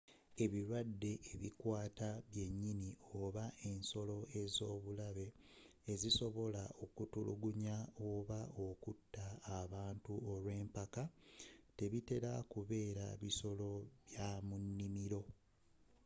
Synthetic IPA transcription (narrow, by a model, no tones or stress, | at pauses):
e̞βiɾwadːe̞ːβikwaːtaβje̞ɲːinioβaʔe̞nso̞lo̞e̞zo̞ːβulaβe̞ː | ziso̞βo̞lao̞kutulṵɡuɲaoβao̞kutːaːβaːntuo̞lwe̞ːmpakate̞βite̞ɾakuβe̞ːɾaβiso̞lo̞βjamunːimiɾo̞